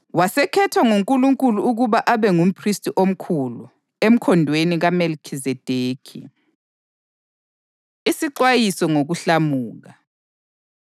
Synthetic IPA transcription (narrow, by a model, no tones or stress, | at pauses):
wasɛkʰɛtʰwaŋuŋkʼuluŋkʼuluuɣuβaʔaβɛŋum̩pʰristʼiʔom̩kʰulu | em̩kʰɔndʱweniɣamelkʰizɛd̥ʱeːkʰḭ | isiǃwajisɔŋoɣuɬamuːɣa